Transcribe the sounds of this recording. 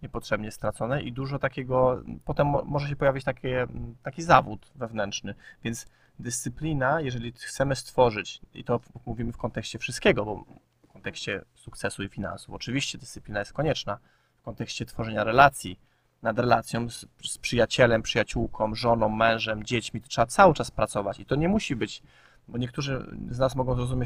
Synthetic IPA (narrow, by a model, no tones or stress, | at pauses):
ɲɛpɔtʂɛbɲɛst̪ɾat̪sɔnɛʔid̪uʐɔt̪akʲɛɡɔpɔt̪ɛmːɔʐɛɕ̬ɛpɔjavʲit͡ɕt̪akʲʰɛt̪akʲizavut̪vɛvnɛntʂnɘvʲjɛnt̪s | d̪ɘst̪sɘplʲinajɛʐɛlʲixt̪sɛmɘst̪fɔʐɘt͡ɕḭt̪ɔmuvʲimɘfkɔnt̪ɛkɕt͡ɕɛfʂɨst̪̚kʲɛɡɔbɔ̰ | fkɔnt̪ɛkɕt͡ɕɛsukt̪sɛsuifʲina̰nsufɔt͡ʂɘvʲiɕt͡ɕɛd̪ɨst̪sɘ̥plinajɛst̪̚kɔɲɛt͡ʂna | fkɔnt̪ɛkɕt͡ɕɛt̪fɔʐɛɲaɾɛlat̪sʲji | nad̪ɾɛlat̪sʲjɔ̃w̃sspʂɘjat͡ɕɛlɛmpʂɘjat͡ɕuwkʰɔ̃w̃ʐɔnɔ̃w̃ːɛ̃w̃ʐɛmd͡ʑet͡ɕmʲit̪ɔ̥tʂɛbat̪sawɘt͡ʂaspɾat̪sɔvat͡ɕit̪ɔɲɛmuɕibɘt͡ɕ | bɔɲɛk̚t̪uʐɘznasmɔɡɔ̃w̃zɾɔzumʲje